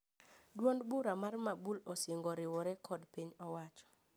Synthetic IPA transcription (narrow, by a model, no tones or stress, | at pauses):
dwondbuɾamarmabulɔsjeŋɡɔɾɪwɔɾɛkʰɔdpiɲɔwat͡ʃɔ̥